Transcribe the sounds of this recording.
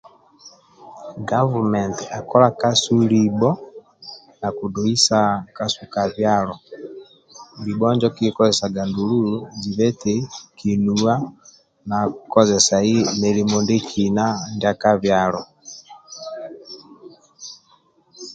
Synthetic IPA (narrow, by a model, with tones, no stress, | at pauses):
ɡavumɛ˨nta˨kɔ˦la˦ka˦su˦libɔ˦ | na˨ku˨do˨i˦saka˦suka˨βjalɔ˨ | ŋɡi˨bɔ˦ɲd͡ʒɔ˦ki˦kɔzɛsa˨ɡa˨ndu˨lu˦ud͡ʒi˨βɛ˦tɛki˨nua˦ | na˨kkɔ˦zɛsa˨i˦me˨li˨mɔnde˦kʰi˨na˦ndakaβjalɔ˨